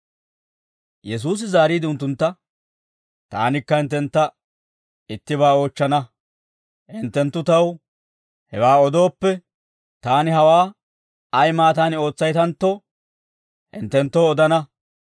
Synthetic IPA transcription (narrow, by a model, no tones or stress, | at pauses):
jɛs̬uːs̬ɪzaːɾiːd̪ɪʊnt̪ːʊnt̪ːɐ | t̪a̰ːnɪkːɐɪnt̪ːɛnt̪ːɐ | ɪt̪ːɪβaːo̞ːt͡ʃːɐnɐ | ʔɪnt̪ːɛnt̪ːʊt̪ɐw | hɛwaːɔd̪o̞ːpːɛ | t̪aːnɪɦɐwaː | ɐjmaːt̪aːnɪo̞ːt͡sːɐjt̪ɐnt̪ːo | ɪnt̪ːɛnt̪ːoːɔd̪ɐnɐ